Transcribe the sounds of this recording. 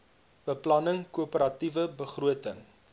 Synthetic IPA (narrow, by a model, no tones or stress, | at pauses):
b̥əplɐnəŋkuəpəɾɐtivəbəχruətəŋ